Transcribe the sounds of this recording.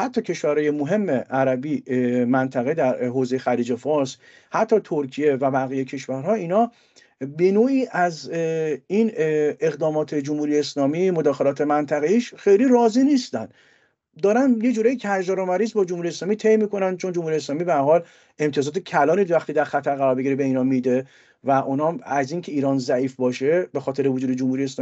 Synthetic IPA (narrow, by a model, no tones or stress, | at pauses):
hæt̪ʰːɒːcʰe̞ʃvæɾhɒːje̞moɦe̞mːeʔæɾæbimænt̪ʰæɣed̪æɾɦoːzejexæliːd͡ʒe̞fɒːɾs | hæt̪ʰːɒːt̪ʰoɾcʰije̞væbæɣijecʰe̞ʃvæɾɦɒːiːnɒː | be̞noːiːʔæz | ineɣd̪ɒːmɒːt̪ʰe̞d͡ʒomhuːɾijeeslɒːmiːmod̪ɒːxe̞lɒːt̪ʰe̞mænt̪ʰæɣeiːʃxe̞jliɾɒːzinist̪æ̰nd̪ | d̪ɒːɾænjed͡ʒuːɾɒjicʰæɾʒɒɾomæɾisbɒːd͡ʒomhuɾijeslɒːmit̪ʰe̞jmiːko̞nænd̪̥̚t͡ʃʰo̞nd͡ʒomhuːɾijeslɒːmibehæɾɦɒːl | e̞mt̪ʰijɒzɒːt̪ʰecʰælɒːniːd̪væxt̪iːd̪æɾxæt̪ʰæɾɣæɾɒːɾbeɟiːɾebe̞iːnhɒːmid̪e | væʔunhɒmæziːncʰe̞iːɾɒːnzæʔiːfbɒːʃebe̞xɒːt̪ʰe̞ɾevod͡ʒuːd̪e̞d͡ʒomhuɾijeslː